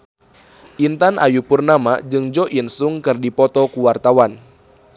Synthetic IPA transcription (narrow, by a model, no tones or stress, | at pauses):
ʔint̪anʔa̰jupurnamad͡ʒɨŋd͡ʒɔʔinsuŋkɨrdipɔt̪ɔkuwart̪awan